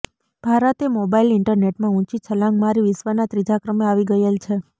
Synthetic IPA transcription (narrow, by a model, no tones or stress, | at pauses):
b̥ʱaɾət̪emobailɪɳʈəɾneʈmãũt͡ʃit͡ʃʰəlãŋɡmaɾiʋɪsʋanat̪ɾid͡ʒakɾəmeaʋiɡəjelt͡ʃʰe